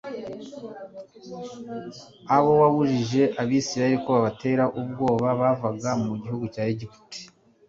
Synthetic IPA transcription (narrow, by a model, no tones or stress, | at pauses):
aβo̞waβuʒiʒe̞ʔaβiːsiɾaheɾikoβaβate̞ːɾaʔub̚ɡo̞ːβaβaːvaɡamuɟihuɡucaːeɟipu̥ti̥